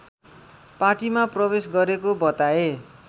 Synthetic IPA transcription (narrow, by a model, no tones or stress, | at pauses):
paʈimaprʌbesɡʌɾekobʌt̪ae